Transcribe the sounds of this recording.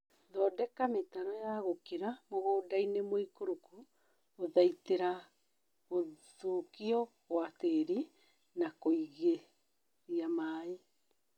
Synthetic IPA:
ðɔːdɛkametaɾɔjaɣokeɾamoɣoːdainemoikoɾuku | oðaiteɾa | ɣoðokiɔɣwateɾi | nakoiɣe | ɾiamaːe

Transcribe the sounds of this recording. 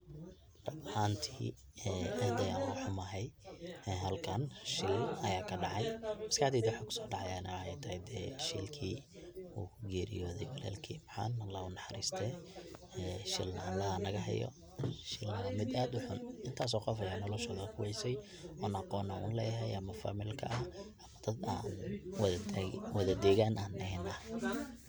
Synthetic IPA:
d̥ɐʕaːnt̪ʰiː | ɛːʔɐhd̪ɐjanħʊmɐɦɛjɛɦɐlkʰɐnʃɪlɐjaːkʰɐɖɑʕɑjmɐskɐħd̪iːd̪wʊħɑːkʰʊ̥sɔːɖɑʕɑjanʔɐɛjt̪ʰɐhɛd̪ɛːʃḭlkʰḭː | ṵːkʰʊɡɛːɾɪ̰jɔːðɛjwɐlɛ̰ːlkʰḭːmħɑ̰ːnɐlɐʊnɑħɑɾḭːst̪ʰɛːɛːʃɪ̰lnɐ̰lɐhɐnɐɣɐɦɛ̰jɔ̰ | ʃɪlnɐɐmɪd̪aːd̪ʊħʊnɪnt̪ʰaːs̬ɔːqɑfɐjaːnɔlɔʃɔːðɐkʰʊwɛjsɛj | ʔɔnɑqɔːnɐʊ̰nlɛːjɦɛjʔɐmɐfa̰ːmɪlkʰɐ̰ʔɐhʔɐmɐd̪̥ɐd̪a̰ːnwwɐðɐd̪ɛɣaːnaːnɛɦɛna

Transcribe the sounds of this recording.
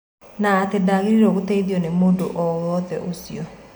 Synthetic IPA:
naːtedaɣiɾiɾɔoɣoteiðjɔnemodoʔɔwɔðɛʔosiɔ

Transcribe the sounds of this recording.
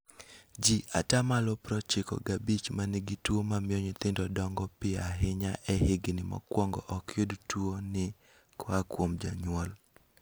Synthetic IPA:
d͡ʒiatamalɔpɾɔt͡ʃɪkɔ̰ɡabit͡ʃmanɪɡɪtwomamjɔɲɪt̪ɪndɔdɔŋɡɔpɪaɦɪɲaʔɛhɪɡɪnɪmɔ̰kwɔŋɡɔ̰ʔɔkjodtwonɪ | kwakwomd͡ʒaɲwɔl

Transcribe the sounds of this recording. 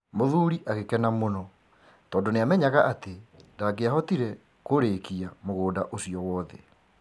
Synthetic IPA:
moðuːɾiʔaɣekɛnamonɔ | tɔːndoneamɛɲaɣaʔatedaɡeaɦɔtiɾɛ | koɾeːkiamoɣoːda̰ʔosiɔwɔːðɛ̰

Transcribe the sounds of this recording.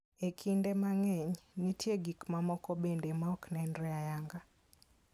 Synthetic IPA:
ekʰindemaŋɛɲnitjeɡikmamɔkɔbendemaɔknɛndɾɛajaŋɡa

